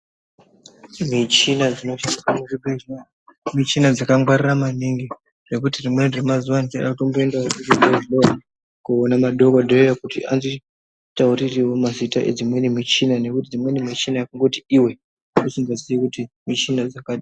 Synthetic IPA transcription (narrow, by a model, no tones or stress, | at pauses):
mit͡ʃinad͡zino̞ʃiikamuʐibea | mit͡ʃinad͡zakaŋɡwariramaniŋɡi | ʐ̥e̞kutirimwe̞ʐemazuwanit͡ʃaɗatombo̞e̞ndaokutiɡeʒiɗoa | kuonamaɗo̞kodʱejojakutia̰nzi | tauririwo̞mazitaʔe̞̰d͡zimwenimit͡ʃinane̞kutid͡zimwe̞nimit͡ʃinajakaŋɡo̞tiiwe̞ | usiŋboziikuti | mit͡ʃinad͡zakaɗa